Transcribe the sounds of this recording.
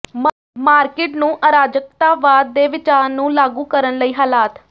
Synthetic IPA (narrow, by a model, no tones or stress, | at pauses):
maːɾkɪːʈnũːʔaːɾaːd͡ʒək̚t̪aːʋaːd̪ːeːʋɪt͡ʃaːɾnũːlaːɡũːkəɾənləiːɦaːlaːt̪